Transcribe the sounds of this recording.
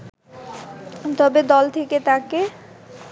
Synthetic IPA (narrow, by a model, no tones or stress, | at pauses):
t̪ɔbed̪ɔlt̪ʰeket̪ake